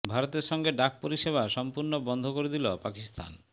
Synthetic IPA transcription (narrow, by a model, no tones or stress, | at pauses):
bʱaɾot̪eɾʃɔŋɡeɖak̚poɾiʃeβaʃɔmpuɾnobɔnd̪ʱokoɾed̪ilopakist̪ʰa̰n